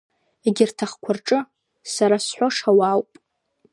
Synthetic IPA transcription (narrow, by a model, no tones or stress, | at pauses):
eɡʲɪrtʰaχkʷʰarʈ͡ʂʼɨ | saɾasħʷoʂawawpʼ